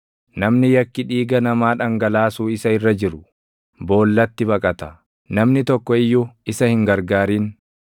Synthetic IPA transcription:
nɐmnɪjɐkːɪᶑiːɡɐnɐmaːᶑɐŋɡɐlaːsuːɪsɐɪrːɐd͡ʒɪɾʊ | bo̞ːlːɐt̪ːɪbɐkʼɐt̪ɐ | nɐmnɪt̪ɔkːɔɪjːʊɪsɐhɪŋɡɐɾɡaːɾiːn

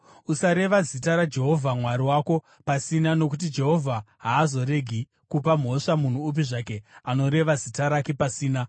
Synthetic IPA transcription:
usaɾe̞ʋazitaɾad͡ʒe̞ɦo̞vʱamwaɾiwako̞ | pasinano̞k̬ut̬id͡ʒe̞ɦo̞vʱaɦaːzo̞ɾe̞ɡʱi | kupam̤ɦo̞ʂamun̤uːp̬iʐak̬e̞ano̞ɾe̞ʋazitaɾake̞pasiːna

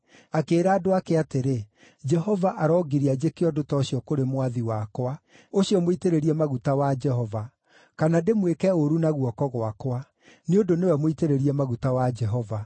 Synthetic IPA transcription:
akeːɾaːdoakeateɾe | d͡ʒɛhɔvaʔaɾɔɡiɾiad͡ʑekeɔdotɔɕiɔkoɾemwaðiwakwa | oɕiɔmoiteɾeɾiɛmaɣutawad͡ʒɛɦɔva | kanademwekɛoɾunaɣuɔkɔɣwakwa | neondonewɛmoiteɾeɾiɛmaɣutawad͡ʒɛɦɔva

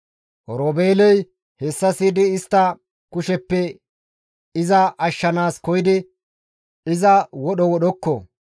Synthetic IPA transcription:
ʔɔɾoːbeːlɔj | hɛsːɐsiːd̪ɪːst̪ːɐ | kʊʃɛpːɛ | ɪzɐʔɐʃːɐnaːskɔjɪd̪ɪ | ɪzɐwɔɗɔwɔɗɔkːɔ̰

